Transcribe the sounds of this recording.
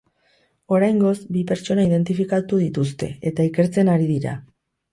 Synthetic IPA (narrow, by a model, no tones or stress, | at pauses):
o̞ɾajŋɡo̞zbipe̞ɾt͡ʃo̞naiðe̞nt̪ifikat̪uðit̪ust̪e̞̰et̪aike̞ɾt͡se̞naɾiðiɾa̰